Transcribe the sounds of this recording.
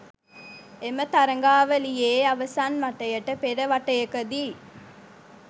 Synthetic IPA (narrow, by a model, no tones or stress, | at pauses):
emət̪aɾəŋɡaːʋəlijeːaʋəsanʋaʈəjəʈəpeɾəʋaʈəjəkəd̪iː